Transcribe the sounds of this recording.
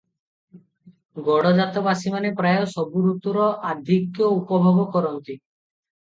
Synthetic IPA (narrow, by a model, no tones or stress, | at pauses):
ɡɔɽɔd͡ʒat̪obasimanepɾajosɔbuɾut̪ːɔɾɔʔad̪ʱikjoupɔbʱɔbɔkɔɾɔnt̪i